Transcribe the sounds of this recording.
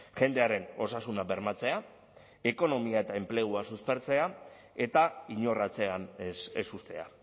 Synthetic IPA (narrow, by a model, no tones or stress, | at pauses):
ʝe̞nd̪e̞aɾe̞no̞sasunabe̞ɾmat͡se̞a | e̞ko̞no̞miae̞t̪ae̞mple̞ɣ̞uasuspe̞ɾt͡se̞a | e̞t̪aiɲo̞rat͡se̞anḛsust̪e̞̰a̰